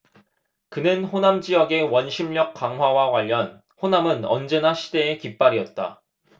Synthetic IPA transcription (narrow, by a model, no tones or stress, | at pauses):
kɯnɯnɸonamd͡ʑijʌɡe̞wʌnɕʰimʎʌk̚k͈ːaŋɦwawaɡwaʎːʌn | ɸonamɯnʌnd͡ʑe̞naɕʰide̞ːkip͈aɾiʌt̚t͈a̰